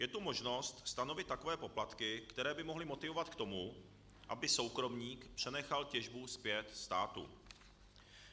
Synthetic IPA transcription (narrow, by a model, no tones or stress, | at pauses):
jɛt̪umo̞ʒno̞st̪st̪ano̞vɪt̪t̪ːako̞vɛːpo̞plat̪kɪkt̪ɛɾɛːbɪmo̞ɦlɪmo̞t̪ɪvo̞vat̪kt̪o̞mu | ʔabɪso̞wkɾo̞mɲiːkpr̝̥ɛnɛxalcɛʒbuspjɛt̪st̪aːt̪ṵ